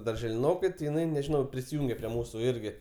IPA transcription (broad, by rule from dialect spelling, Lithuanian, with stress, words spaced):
dɐrʲʒʲɛlʲɪˈnoːkɐɪ tʲɪ jɪˈnɐɪ nʲɛʒʲɪˈnɐʊ pʲrʲɪsʲɪˈjuːŋʲɡʲɛ pʲrʲiɛ ˈmuːsʊ ˈɪrʲɡʲɪ